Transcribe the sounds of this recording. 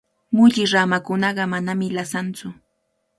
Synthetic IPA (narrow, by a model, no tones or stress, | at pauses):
mʊʎɪɾamakʊnɑɢɑmanamɪlasant͡sʊ